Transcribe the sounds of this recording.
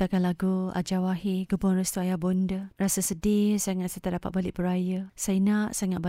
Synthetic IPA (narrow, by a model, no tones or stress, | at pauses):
t̪akanlaɡua̰d͡ʒawaɦiɡubɔŋrəst̪uajabondərasasədɪsaŋat̪sat̪adapat̪̚balɪʔbəɾajəsajinaʔsaŋat̪̚ba